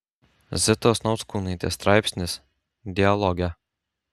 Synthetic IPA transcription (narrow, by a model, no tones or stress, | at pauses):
zʲɪt̪oːsnɒʊt̪skuːnɐɪt̪ʲḛːst̪ɾɑˑɪpʲsʲnʲɪs | d̪ʲɪɐlˠɔɡʲɛ